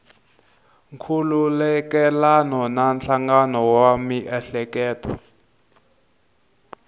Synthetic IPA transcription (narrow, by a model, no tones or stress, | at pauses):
ŋkʰululɛkɛlanɔnanɬaŋɡanɔwamiʔɛɬɛkɛːtɔ̰